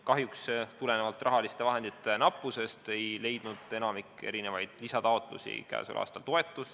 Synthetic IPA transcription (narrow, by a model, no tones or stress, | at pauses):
kɑɦjukst̪ule̞nevɑlt̪ːˑrʔɑɦɑlist̪e̞vɑɦe̞nd̪̥it̪ːˑenɑpːˑuse̞st̪e̞jle̞jd̪̥nud̪̥e̞nɑmikːe̞̰ɾine̞vɑjd̪̥lisɑt̪ɑo̞t̪ˑlṵsḭkæ̰ːsṵlʔɑ̰ːst̪ɑlt̪o̞e̞t̪ːˑus